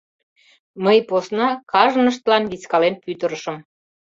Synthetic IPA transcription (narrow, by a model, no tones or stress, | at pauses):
məjposnɑkɑʒənəʃ̬t̪əlɑnβit͡skɑlenpyt̪ə̆ɾəʃəm